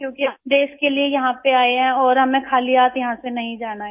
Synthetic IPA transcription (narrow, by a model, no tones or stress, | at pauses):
kjõːkiɖeːskeliejɐɦãpeaːeɦɛ̃ɔːɾɦɐmẽkʰaːliaːt̪jɐɦãsenɐɦĩd͡ʒaːnaɦ